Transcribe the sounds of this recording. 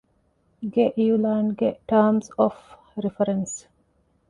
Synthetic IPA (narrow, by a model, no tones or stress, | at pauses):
ɡeʔjulaːɳɡeʈaːmsɔf | ɾifɐɾɐns